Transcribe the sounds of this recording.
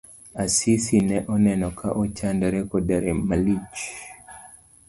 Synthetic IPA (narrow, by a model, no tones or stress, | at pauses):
asisinɛʔɔnɛnɔka̰ʔɔt͡ʃandaɾɛkɔdaɾɛmalit͡ʃ